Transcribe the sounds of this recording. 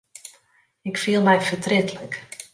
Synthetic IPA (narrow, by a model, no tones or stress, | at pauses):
ɪkfiəlˠmɛjfətrɪtlək